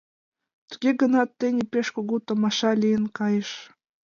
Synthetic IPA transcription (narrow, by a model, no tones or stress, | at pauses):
t̪ə̥ɡʲeɡə̆nɑt̪ːenʲipeʃkoɣut̪ŏmɑʃɑlʲijənkɑjeʃ